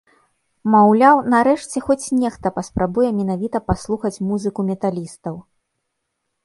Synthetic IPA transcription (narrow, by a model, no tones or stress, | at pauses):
mawlʲawnaɾɛʂt͡sʲɛxɔt͡sʲnʲɛxt̪ɐpɐspɾabujɛmʲɛnavʲit̪ɐpaslˠuxɐt͡sʲmuzɨkumʲɛt̪alʲist̪ɐw